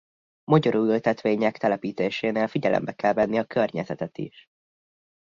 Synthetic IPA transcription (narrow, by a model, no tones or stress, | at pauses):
mɒɟɒɾuːylt̪ɛt̪ʋeːɲɛkt̪ɛlɛpiːt̪eːʃeːneːlfiɟɛlʔɛ̰mbɛkɛlvɛnːiɒkʰørɲɛzɛt̪ɛt̪ḭʃ